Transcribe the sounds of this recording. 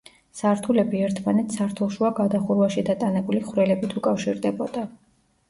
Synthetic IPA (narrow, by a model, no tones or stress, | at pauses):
saɾt̪ʰulɛbiɛɾt̪ʰmanɛt̪ʰsaɾt̪ʰulˠʃuaɡad̪aχuɾwaʃid̪at̪ʼanɛbuliχɾɛlɛbit̪ʰukʼafʃiɾd̪ɛbɔd̪a